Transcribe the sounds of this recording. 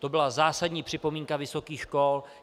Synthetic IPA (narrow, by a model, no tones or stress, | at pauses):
t̪o̞bɪlazaːsadɲiːpr̝̥ɪpo̞miːŋkavɪso̞kiːxʃkol